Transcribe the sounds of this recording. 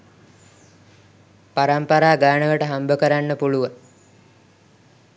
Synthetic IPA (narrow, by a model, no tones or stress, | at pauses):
paɾampaɾaːɡaːnəʋəʈəɦambəkəɾanːəpuluʋaŋ